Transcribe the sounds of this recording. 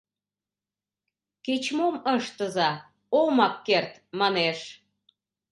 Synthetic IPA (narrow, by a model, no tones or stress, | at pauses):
ket͡ɕmoməʃt̪əzɑ | omɑkːert̪mɑneʃ